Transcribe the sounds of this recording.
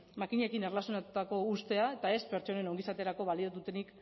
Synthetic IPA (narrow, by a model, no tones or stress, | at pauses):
makiɲekine̞rlasjonat̪ut̪ako̞ust̪e̞ae̞t̪ae̞spe̞ɾt͡ʃo̞ne̞noŋɡisat̪e̞ɾako̞βaliot̪ut̪e̞nik